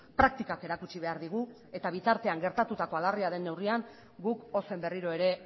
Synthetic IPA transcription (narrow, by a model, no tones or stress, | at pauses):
pɾak̚t̪ikake̞ɾakut͡ʃiβ̞e̞aɾðiɣ̞u | e̞t̪aβ̞it̪aɾt̪e̞aŋɡe̞ɾt̪at̪ut̪ako̞alariaðe̞nːe̞wriaŋ | ɡuko̞se̞mbe̞riɾo̞e̞ɾe̞